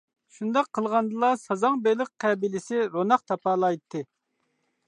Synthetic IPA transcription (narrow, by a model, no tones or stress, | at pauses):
ʃund̪ɑqʰːəlˠʁɑnd̪ɨlˠɑsɑzɑŋbelɪq̚qʰɛbilɪsɪɾonɑqt̪ʰɑpɑlˠɑjt̪ʰːɨ